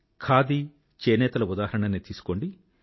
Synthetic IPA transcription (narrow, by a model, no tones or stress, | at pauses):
kʰaːd̪i | t͡ʃeːnɛːt̪ɐlɐud̪aːɦɐɾɐɳɐnit̪iːsu̥ko̞ɳɖi